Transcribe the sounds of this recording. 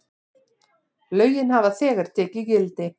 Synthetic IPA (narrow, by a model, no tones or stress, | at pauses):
lœːɥjɪnhavaðθɛːɣaɾ̥t̪ʰɛːcɪcɪlt̪ɪ